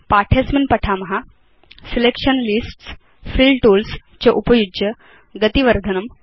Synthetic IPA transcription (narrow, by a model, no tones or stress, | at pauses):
paʈʰesminpəʈʰamɦa | silekʂənlisʈs | filʈulst͡ɕeʔupəjud͡ʑjə | ɡət̪iʋəɾd̪ʱənəm